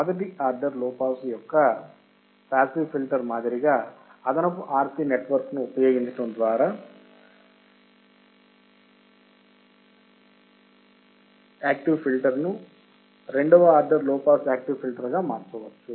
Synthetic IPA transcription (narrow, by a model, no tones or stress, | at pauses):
mɔd̪ɐʈ̬iʔaːɾɖɐɾlɔːpaːsjɔkːɐ | paːsiʋpʰilʈɐɾmaːd̪iɾiɡaːɐd̪ɐnɐpːuʔaːɾt̪ineʈʋɐɾknuɔpːɐjoːɡind̪ɐʈːund̪ʋaːɾaː | aːk̚ʈiʋpʰilʈɐɾnu | ɾeɳɖɔʋɐaːɾɖɐɾlɔːpaːsaːk̚ʈiʋpilʈɐɾɡaːmaːɽt͡ʃɐʋɐt͡ʃu